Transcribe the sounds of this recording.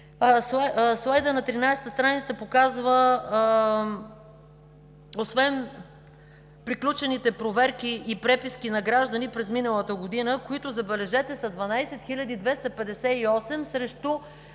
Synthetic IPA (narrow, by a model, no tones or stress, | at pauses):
sslˠajd̪ənɐt̪ɾinajst̪əst̪ɾanit̪səɐpokazvə | osvɛn | pɾiklʲut͡ʃɛnit̪ɛpɾovɛɾkiʔːpɾɛpiskinɐɡɾaʒd̪ɐnipɾɛzminəlˠət̪əɡod̪inəkoit̪ʊzɐbɛlɛʒɛt̪ɛsɐd̪vɐnajsɛt̪xilʲɐd̪id̪vɛst̪ɐpɛd̪ɛsɛiɔsɛmsɾɛʃt̪o